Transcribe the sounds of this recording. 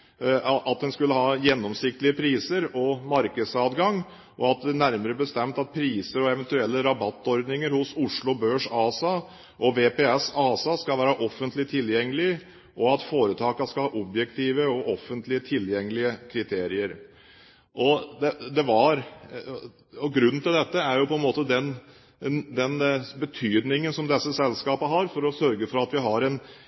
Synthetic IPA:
ʔɑt̪̚d̪ɛnskʉlːəɦɑːjɛnːɔmsɪk̚t̪lɪəpʰɾiːsəɾɔmɑɾkəd̪sɑːd̪ɡɑŋ | ʔɔɑt̪̚d̪ɛnæɾməɾəbəst̪ɛmt̪ɑt̪̚pʰɾiːsəɾɔɛʋɛnt̪ʉɛlːəɾɑbɑt̪ːɔɾd̪nɪŋəɾhʊsʊʂlʊbøːʂɑːsɑ | ʔɔʋepeɛsɑːsɑskɑlʋæːɾɑʔɔfːənt̪lɪt̪ʰɪljɛŋːəlɪ | ʔɔɑt̪foːɾət̪ʰɑːkɑskɑlhɑːʔɔbjɛkt̪ʰiːʋəɔʔɔfːənt̪lɪət̪ʰɪljɛŋːəlɪəkʰɾɪt̪ʰeːɾɪəɾ | ʔɔd̪ɛd̪ɛʋɑɾ | ɔɡɾʉnːn̩t̪ʰɪld̪ɛt̪ːəæɾjʊpʰɔɛnmoːt̪əd̪ɛn | d̪ɛnbət̪ʰyːd̪nɪŋənsɔmd̪ɛsːəsɛlskɑːpəɦɑɾfɔɾɔsœɾɡəfɔɾɑt̪ʋɪɦɑɾɛn

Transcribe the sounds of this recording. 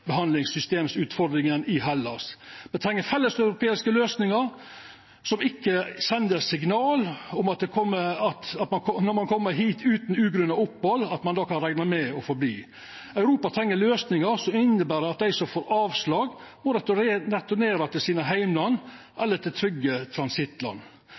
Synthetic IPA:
bɛɦɑnlɪŋsʏst̪eːmsʉːt̪fɔɾd̪ɾɪŋənɪhɑlːɑsbɛnt̪ʰɾɛŋːəɾfɛlːəsɑʉɾʊpʰeːɪskəløːsnɪŋəɾ | sɔmɪkːəsɛnd̪əɾsɪɡnɑːlʊmɑt̪̚d̪ɛkʰɔmːəɑt̪ɑt̪mɑnkʰɔnɔɾmɑnkʰɔmːəɾɦiːt̪ʰʉːt̪nʉːɡɾʉnɑʊpːhɔlːɑt̪mɑnd̪ɑːkɑnɾæɪnɑmɛɔfɔɾbliː | œʉɾuːpɑt̪ʰɾɛŋːəɾløːsnɪŋəɾsɔɪnːəbæːɾɖ̪ɛɑt̪̚d̪æɪsɔmfoːɾɑːʋslɑːɡmɔɾɛt̪ɛt̪ːʊneːɾɑt̪ʰɪlsiːnəɦæɪmɑnʔɛlːəʈ̪ʰɪlt̪ʰɾʏɡːət̪ʰɾɑnsɪt̪lɑ̰nː

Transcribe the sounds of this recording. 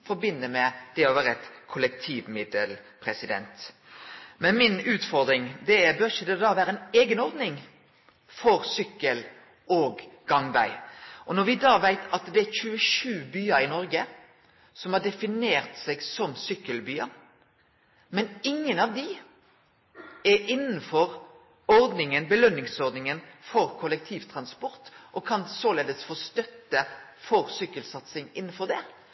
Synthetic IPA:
fɔɾbɪnːəmɛd̪̥ɛɔʋæːɾɛt̪kʰʊlɛk̚t̪ʰiːʋmɪd̪əlpʰɾɛsɪd̪ɛ̰nt̪ | mɛnmɪnʉːt̪fɔɾd̪ɾɪŋd̪ɛɛbøɾçəd̪ɛd̪ɑːʋæːɾəɛneːɡənɔɾd̪nɪŋ | fɔɾsʏkːəl | oːɡɡɑŋbæ̰ɪʔɔnɔɾʋɪd̪ɑːʋæɪt̪ʰɑt̪d̪ɛæɾçʉːəʂʉːbyːəɾɪnɔɾɡə | sɔmhɑɖɛfɪneːɾt̪sɛɡsɔmsʏkːəlbyːən | mɛnɪŋːənɑʋd̪ɪ | ɛɾɪnːn̩fɔɾ | ɔɾd̪nɪŋənbəlœnːɪŋsɔʁd̪nɪŋənfɔɾkʰɔlɛk̚t̪ʰiːʋt̪ʰɾɑnspɔʁt̪ʔɔkʰɑnsoleːd̪əsfɔst̪œt̪ːəfɔɾsʏkːəlsɑt̪sɪŋɪnːən̩fɔʁd̪ɛ

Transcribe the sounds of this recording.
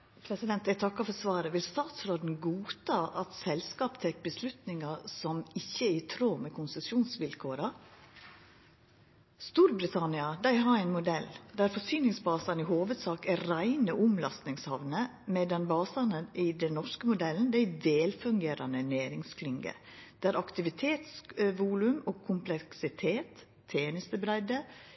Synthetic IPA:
pʰɾɛsɪd̪ɛnt̪æt̪ʰɑkːɑfɔɾsʋɑːɾəʋɪlst̪ɑːt̪sɾoːd̪n̩ɡuːt̪ʰɑːʔɑt̪sɛlskɑːpt̪ʰɛk̚bəslʉt̪nɪŋɑsɔmɪçːəɪt̪ʰɾoːmɛkʰʊnsəsɪuːnsʋɪlkʰoːɾɑ | st̪uːɾbɾɪt̪ʰɑnɪɑd̪æɪɦɑɾæɪnmʊd̪ɛld̪æːɾfɔsyːnɪŋsbɑːsɑnɪhoːʋəd̪sɑːkæɾæɪnəʔʊmlɑst̪nɪŋshɑʋnə | mɛd̪ɛnbɑːsɑnəʔiːd̪ɛnnɔʂkəmʊd̪ɛln̩d̪æɪd̪eːlfʉŋɡeːɾɑnənæːɾɪŋskʰlʏŋɡə̰d̪̥æːɾɑkt̪ɪʋɪt̪ʰeːt̪sʋuːlʉmɔːkʰʊmpʰlɛksɪt̪ʰeːt̪ʰː | eːnɪst̪əbɾæɪd̪ə

